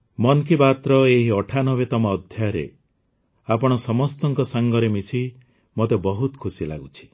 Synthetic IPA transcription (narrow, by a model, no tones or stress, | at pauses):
mɔnkibat̪ɾɔeɦiɔʈʰanɔbet̪ɔmɔːd̪ʱjaɾḛ | apɔɽ̃ɔsɔmɔst̪ɔŋkɔsaŋɡɔɾemisi | mot̪ebɔɦut̪kʰusila̰ɡut͡ʃʰi̥